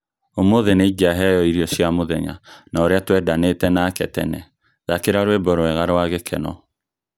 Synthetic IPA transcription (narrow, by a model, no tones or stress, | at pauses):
omoðeneiɡaɦɛjɔiɾjɔsjamoðɛɲa̰naoɾeatwɛdanetɛnakɛtɛ̰nɛ | ðakeɾaɾwebɔɾoɛɣaɾwaɣekʰɛnɔ